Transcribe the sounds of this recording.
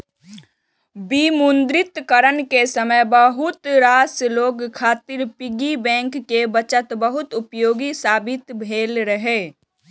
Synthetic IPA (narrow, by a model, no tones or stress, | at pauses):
bimʊnd̪ɾɪt̪kəɾənkesəməjbəɦʊt̪ɾaːsloːɡkʰːaːt̪ɪɾpɪɡibɛ̃ːŋkːebət͡ʃət̪bəɦʊt̪ʊpjoːɡisaːbɪt̪bʱeːlɾəɦeː